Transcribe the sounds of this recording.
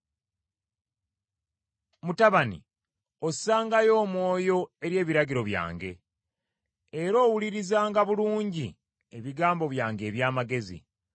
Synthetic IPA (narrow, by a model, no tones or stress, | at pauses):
mutaβanḭ | o̞saːŋɡajo̞ːmwo̞ːjo̞e̞ɾje̞ːβiɾaɟiɾo̞βja̰ːŋɡe̞ | eɾo̞ːwuliɾizaːŋɡaβuluːɲɟi | e̞βiɡaːmbo̞βjaːŋɡe̞ːβjaːmaɡe̞zḭ